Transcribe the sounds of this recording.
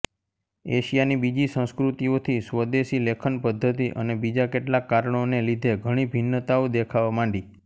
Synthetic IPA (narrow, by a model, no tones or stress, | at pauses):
ḛʃijanibid͡ʒisə̃skɾut̪iot̪ʰisʋəd̪esilekʰənpəd̪ʱːət̪̬iʔə̰nebid͡ʒakeʈlakːaɾəɳonelid̪ʱeɡʱəɽ̃ibʱinːət̪aod̪ekʰaʋamãɳɖi